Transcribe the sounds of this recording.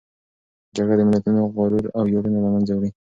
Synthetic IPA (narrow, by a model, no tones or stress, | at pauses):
d͡ʒaɡɽad̪əmɪlat̪unoɣɑɾuɾawjoɾunalamanzawɽi